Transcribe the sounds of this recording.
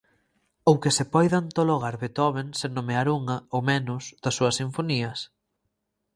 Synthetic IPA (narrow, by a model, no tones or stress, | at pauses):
owkesepɔjðant̪oloɣ̞aɾβet̪ɔβensenːomeaɾuŋɐomɛnʊsð̥ɐsːuɐsiɱfoniɐs